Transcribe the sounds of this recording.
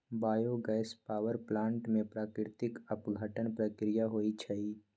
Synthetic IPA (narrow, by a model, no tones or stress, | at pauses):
baːjoɡɛːɪspaːʋəɾplãːɳʈmẽpɾaːkɪɾɪt̪ɪkəpɡʱəʈənpɾəkɾɪjaɦoːit͡ʃʰɐiː